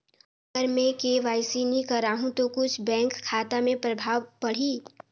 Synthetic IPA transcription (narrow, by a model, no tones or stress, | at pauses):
ɡəɾmẽkeʋaːɪsinikəɾaːɦũt̪okʊt͡ʃʰbɛ̃ːŋkʰːaːt̪amẽpɾəbʱaːʋpəɽ̤i